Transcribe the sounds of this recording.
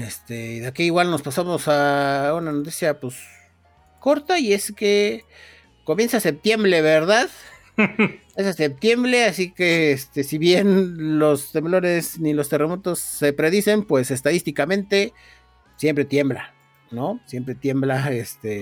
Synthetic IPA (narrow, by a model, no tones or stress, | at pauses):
est̪eiðeakiiɣwalno̞spasamo̞saunanot̪isjapos | ko̞ɾt̪aie̞ske̞ | ko̞mje̞nsase̞p̚t̪je̞mbɾe̞βeɾðað | esase̞p̚t̪je̞mbɾe̞asikeest̪e̞siβje̞nlo̞st̪e̞mblo̞ne̞snilo̞st̪e̞remo̞t̪o̞sːe̞pɾe̞ðise̞mpwe̞se̞st̪aðist̪ikamẽ̞nt̪e̞ | sje̞mpɾe̞t̪je̞mbla | no̞sje̞mpɾe̞t̪je̞mblaest̪e